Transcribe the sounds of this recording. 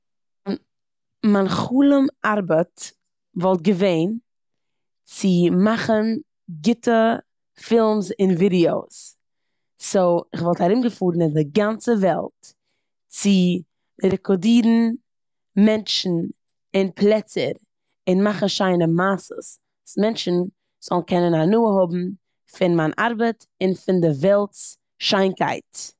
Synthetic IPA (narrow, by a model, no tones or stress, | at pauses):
manχuːlˠəmaɾbət | vɔlˠt̚ɡəveɪn | t͡sɪmaχən | ɡɪtʰə | fɪlˠmsɪnvidioʊs | soɪχvɔlˠthaɾɪmɡəfuːɾn̩ɪndɪɡant͡səvɛ̰lˠt | t͡sɪ | ɾɛkɔdiːɾn̩ | mɛnt͡ʃn̩ | ɪnpʰlˠɛt͡sə̰ɾ | ɪnmaχn̩ʃaɪnəmaːsə̰s | smɛnt͡ʃn̩ | z̥ɔlˠn̩kʰɛnənhanuːəɦɔbm̩ | fɪnmaːnʔa̰ɾbət | ɪnfɪndɪvɛlˠts | ʃaɪnka̰ɪt